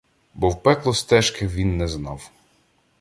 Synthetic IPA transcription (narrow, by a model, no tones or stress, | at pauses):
bɔwpɛklˠɔst̪ɛʃkɪwʋʲinːɛznɑw